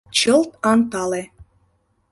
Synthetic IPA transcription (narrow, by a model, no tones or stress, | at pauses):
t͡ɕɤlt̪ɑnt̪ɑle